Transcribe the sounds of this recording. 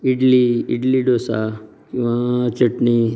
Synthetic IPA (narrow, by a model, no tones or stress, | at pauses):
iɖliḭɖliɖoːsa | kiʋat͡ʃɐʈni